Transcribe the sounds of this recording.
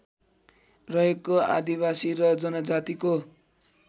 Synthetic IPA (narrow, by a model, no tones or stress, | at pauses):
rʌekːoa̰d̪ibasiɾʌd͡zʌnʌd͡zat̪iko